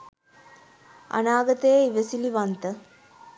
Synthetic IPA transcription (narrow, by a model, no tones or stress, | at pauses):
a̰naːɡət̪əjəiʋəsiliʋant̪ə